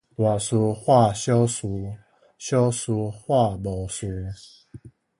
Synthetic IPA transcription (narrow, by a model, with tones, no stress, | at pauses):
t̪wa˨˩su˧xwa˥˨ɕjɔ˦si˧˦ | ɕjɔ˦su˧xwa˥˧˨bɔ˨˩su˧˦